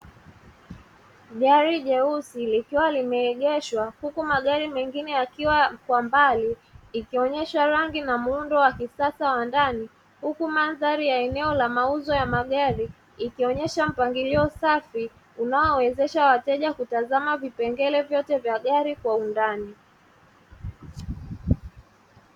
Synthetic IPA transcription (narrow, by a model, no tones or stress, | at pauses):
ɠaɾiʄɛusilikiwalimɛːɠɛʃwahukumaɠaɾimɛŋɡinɛjakiwakwambaliikiɔɲɛʃwaɾaŋɡinamuundɔwakisasawandani | hukumanðaɾijaɛnɛɔlamauzɔjamaɠaɾi | ikiɔɲɛʃam̩paŋɡiliɔsafi | unaɔwɛzɛʃawatɛʄakutazamavipɛŋɡɛlɛvjɔtɛvjaɠaɾikwaundani